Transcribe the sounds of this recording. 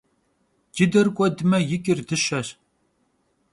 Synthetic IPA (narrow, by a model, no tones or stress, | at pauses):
d͡ʒɪdɐrkʷʼɔdɨmɐjɪkʲʼɪrdɨɕɐɕ